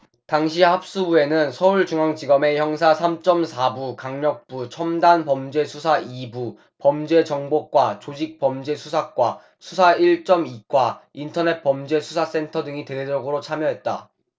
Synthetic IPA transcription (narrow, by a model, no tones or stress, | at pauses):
taŋɕ̬ʰihap̚s͈ubue̞nɯnsʰʌuɭt͡ɕuŋaŋd͡ʑiɡʌme̞çjʌŋsʰasʰamt͡ɕ͈ʌmsʰabukaŋɲʌk̚p͈ut͡ɕʰʌmdanpʌmd͡ʑe̞sʰusʰaibu | pʌmd͡ʑe̞t͡ɕʌŋbok̚k͈wat͡ɕod͡ʑik̚p͈ʌmd͡ʑe̞sʰusʰak̚k͈wa | sʰusʰaiɭt͡ɕ͈ʌmik͈waintʰʌne̞t̚p͈ʌmd͡ʑe̞sʰusʰas͈e̞ntʰʌdɯŋite̞ded͡ʑʌɡɯɾot͡ɕʰamjʌɦe̞t̚t͈a